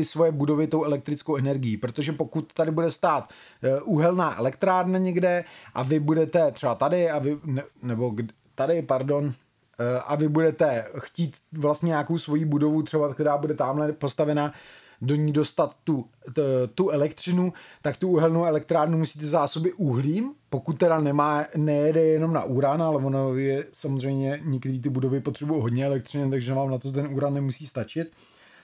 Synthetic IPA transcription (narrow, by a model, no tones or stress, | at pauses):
t̪ɪsvo̞jɛbudo̞vɪt̪o̞wɛlɛk̚t̪ɾɪt͡skowʔɛnɛɾɡɪjiːpɾot̪oʒɛpo̞kut̪ːadɪbudɛst̪aːt̪ | ʔuɦɛlnaːʔɛ̰lɛkt̪ɾaːɾnaɲɛɡdɛʔavɪbudɛt̪ɛt̪r̥ɛbat̪adɪavɪnnɛbo̞ɡ | t̪adɪpaɾdo̞n | ʔavɪbudɛt̪ɛxciːt̪vlast̪ɲɛɲakowsvo̞jiːbudo̞vut̪rɛbak̚t̪ɛɾaːbudɛt̪aːmlɛpo̞st̪avɛna | do̞ɲiːdo̞st̪at̪ːu | t̪uɛlɛkt̪r̝̥ɪnut̪akt̪uuɦɛlnowɛlɛk̚t̪ɾaːɾnumusi̥ːt̪̬ɛzaːso̞bɪʔuɦliːmpo̞kut̪̚ːɛɾanɛmaːnɛjɛdɛjɛno̞mna̰ʔuːɾanalɛvonajɛsamozr̝ɛjmɲɛɲɛkt̪ɛɾiːt̪ɪbudo̞vɪpot̪r̥ɛbujɛɦo̞d̪ɲɛɛlɛk̚t̪rɪnɪt̪aɡʒɛnvaːmnat̪ot̪̬ɛnuːɾanːɛmusiːst̪at͡ʃɪt̪